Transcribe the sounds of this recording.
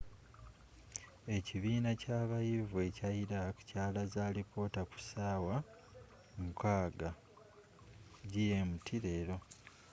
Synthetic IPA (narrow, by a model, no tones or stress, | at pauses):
e̞ciβiːnacaːβajivue̞caiɾakcaːlazaːlipʰo̞ːtaku̥saːwa | mukʰaːɡa | ɟije̞mutʰiɾe̞ːɾo̞